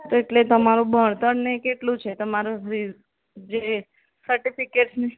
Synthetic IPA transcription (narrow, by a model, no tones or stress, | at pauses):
t̪oeʈlet̪əmaɾũbʱəɳt̪əɳnekeʈlũt͡ʃʰet̪əmaɾuɾi | d͡ʒe | səɾʈifikeʈsne